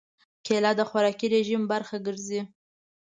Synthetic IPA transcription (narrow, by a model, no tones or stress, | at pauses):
kelɑd̪əxwaɾɑkiɾeʒimbaɾxaɡəɾzi